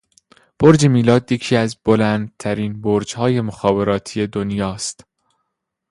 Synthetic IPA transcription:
b̥oɾd͡ʒe̞miːlɒːd̪je̞cʰiːæzbo̞læːnd̪̚t̪ʰæɾiːnboːɾd͡ʒhɒːje̞moxɒːbe̞ɾɒːt̪ʰije̞d̪onjɒːst̪

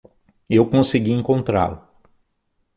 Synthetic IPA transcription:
ewkõsiɡiẽŋkõnt̪ɾa̰lʊ

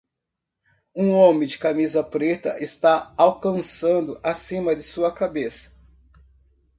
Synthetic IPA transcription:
ũõmẽd͡ʒɪkamizɐpɾet̪ɐ̰ʔɪst̪aawkɐ̃sɐ̃nd̪ʊʔasĩmɐd̪ɪsuɐkabesɐ̥

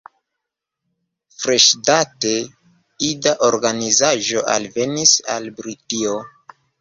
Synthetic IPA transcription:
fɾe̞ʃdate̞ | idaʔoɾɡanizaʒo̞ʔa̰lve̞nisa̰lbɾitio

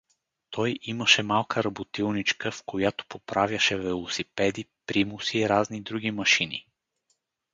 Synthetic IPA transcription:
t̪ɔjʔiməʃɛmalˠkʰəɾɐbot̪ilˠnit͡ʃkəfkojat̪o̥popɾavʲjəʃɛvɛlˠosipɛd̪ipɾimʊsiːɾaznid̪ɾuɡ̟ʲimɐʃinḭ

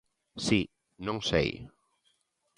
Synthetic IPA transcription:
si | nõŋsḛj

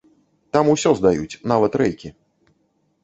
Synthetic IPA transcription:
t̪amusʲɔzd̪ajut͡sʲnavɐt̪ɾɛjkʲi

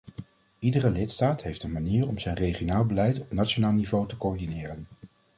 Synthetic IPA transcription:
idərəlɪtstaːtɦejftənmaniːrɔmzɛjnrejχionaːlˠbəlɛjtɔpnatt͡ʃonaːlˠnivowtəkoːɹdinɪːrən

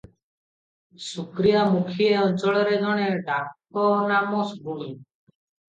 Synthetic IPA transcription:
sukɾijamukʰieɔnt͡ʃɔɭɔɾed̪ɔɽ̃eɖak̚ | ɔnamɔsbuɽi

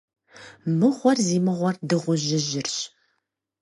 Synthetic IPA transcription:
mɨʁʷɔrziːmɨʁʷɔrdɨʁʷʊʒɪʑɪrɕ

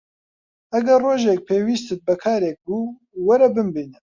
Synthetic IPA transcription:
ɐɡɛrroːʒɛk̚pʰeːwiːst̪ɨt̪̚bɛkʰɑːɾɛk̚ɡuː | wɐɾɛbɨmbiːnɛ

